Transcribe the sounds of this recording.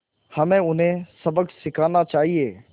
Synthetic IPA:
hɐmẽʊnɦẽsɐbəksɪkʰaːnat͡ʃaːɦieː

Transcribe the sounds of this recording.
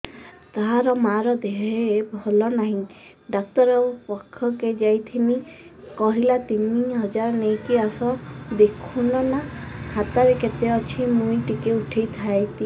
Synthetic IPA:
t̪aɦaɾɔmaɾɔd̪eɦebʱɔlɔnaɦĩ | ɖak̚ʈɔɾɔpɔkʰːɔked͡ʒajt̪ʰinikɔɦilat̪iniɦɔd͡ʒaɾɔnejkiasɔd̪ekʰunɔnakʰat̪aɾeket̪eɔt͡ʃʰimũiʈikeuʈʰejt̪ʰajt̪i

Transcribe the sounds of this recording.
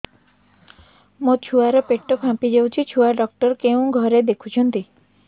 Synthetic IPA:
mõt͡ʃʰuaɾɔpeʈːɔpʰãpid͡ʒewt͡ʃʰit͡ʃʰuaɖɔk̚ʈɔɾkeũɡʱɔɾed̪ekʰut͡ʃʰɔnt̪i

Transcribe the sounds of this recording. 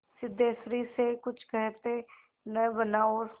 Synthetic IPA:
sɪd̪eːsɾisekʊt͡ʃʰkɛɦt̪e | nəbənaːoːɾ

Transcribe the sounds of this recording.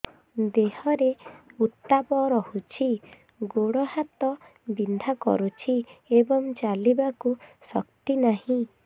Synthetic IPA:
d̪ehɔɾeut̪ːapɔɾɔhut͡ʃʰi | ɡoɽɔhat̪ɔ | bind̪ʱakɔ̰ɾut͡ʃʰiebɔŋt͡ʃalibakusɔkt̪inaɦĩ

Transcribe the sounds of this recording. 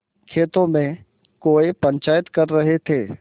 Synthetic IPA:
kʰeːt̪õmẽ | koːepɐ̃ɲt͡ʃaːjət̪kɐɾːɐɦet̪ʰeː

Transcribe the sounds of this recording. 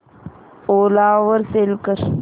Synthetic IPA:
oːlaːwɐɾselkəɾ

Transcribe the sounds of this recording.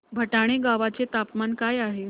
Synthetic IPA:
bʱəʈaɽ̃eɡaʋat͡set̪apmankajaɦe

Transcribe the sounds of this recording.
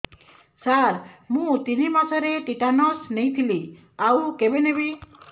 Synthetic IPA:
saɾmũt̪inimasɔɾeʈiʈanɔsnejt̪ʰili | awkebenebi

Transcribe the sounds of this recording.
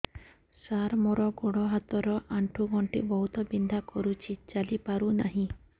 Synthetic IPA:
saɾmɔɾɔɡoɽɔɦat̪ɔɾɔʔaɳʈʰuɡʱɔɳʈḭbɔɦut̪ɔbind̪ʱakɔɾut͡ʃʰit͡ʃalipaɾuna̰ɦĩ

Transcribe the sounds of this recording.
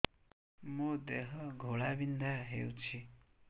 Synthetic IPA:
mod̪eɦʌɡʱoɭabind̪ʱaɦewt͡sʰi

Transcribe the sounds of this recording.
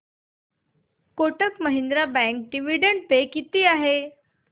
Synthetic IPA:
koʈəkməɦind̪ɾabɛ̃ŋk̚ɖiʋiɖəɳɖ̚pekit̪iːaɦe

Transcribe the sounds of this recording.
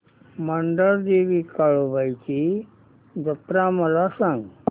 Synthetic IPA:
məɳɖəɭd̪eʋiːkaɭobajt͡ɕi | d͡zəpɾaməlasãŋɡ

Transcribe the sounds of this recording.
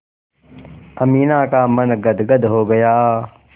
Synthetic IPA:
ɐmiːnãːkamɐnɡɐd̪ɡəd̪ɦoɡɐjaː

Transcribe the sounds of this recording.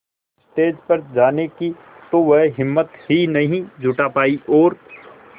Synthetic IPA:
sʈeːd͡ʒpɐɾd͡ʒaːneki | t̪oʋɛɦɦɪmːət̪hinɐɦĩd͡ʒʱʊʈapaːiʔɔːɾ

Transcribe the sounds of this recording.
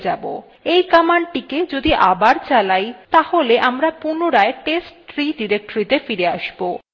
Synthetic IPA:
d͡ʑabo̰ | ejkamaɳɖʈiked͡ʑod̪iʔabaɾt͡ɕalajt̪aholeʔamɾapunoɾaeʈesʈt̪ɾiɖiɾek̚ʈoɾit̪efiɾeaʃbo

